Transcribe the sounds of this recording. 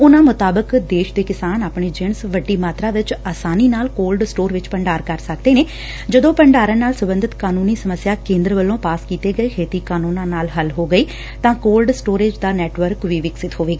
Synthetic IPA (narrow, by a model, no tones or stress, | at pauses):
ʊnãːmʊt̪aːbəkd̪eːʃd̪eːkɪsaːnaːpɳeːd͡ʒɪɳsʋəɖːiːmaːt̪ɾaːʋɪt͡ʃaːsaːniːnaːlkoːlɖsʈoːɾʋɪt͡ʃpəɳɖaːɾkəɾsəkd̪eːneː | d͡ʒəd̪õːpəɳɖaːɾənaːlsəbənd̪ət̪kaːnuːniːsəməsjaːkẽːnd̪ɾʋəlːõːpaːskiːt̪eːɡəeːkʰeːt̪iːkaːnuːnãːnaːlɦəlɦoːɡəiː | t̪ãːkoːlɖsʈoːɾeːd͡ʒd̪aːnɛːʈʋəɾkʋiːʋɪksɪt̪ɦoːʋeːɡaː